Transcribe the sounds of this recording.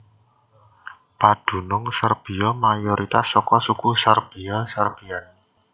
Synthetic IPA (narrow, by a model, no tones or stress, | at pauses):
pad̪̥ṳnʊŋsərb̥i̤ɔmajoɾit̪asːɔkɔsukusərb̥i̤ɔsarb̥ian